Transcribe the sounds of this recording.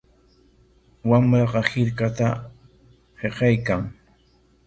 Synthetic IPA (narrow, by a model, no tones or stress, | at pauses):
wamɾɑqɑhɪɾkat̪a | heqɑjkaŋ